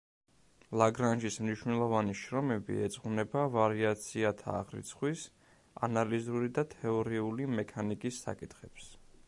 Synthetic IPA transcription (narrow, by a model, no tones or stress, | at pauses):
lˠaɡɾanʒismniʃwnɛlˠɔvaniʃɾɔmɛbḭɛ̰t̪sʼχunɛbavaɾiat̪sʰiat̪ʰa̰ːʁɾḭt̪sʰχwis | a̰nalizuɾid̪at̪ʰɛɔɾiulimɛkʰanikʼisːa̰kʼit̪ʰχɛps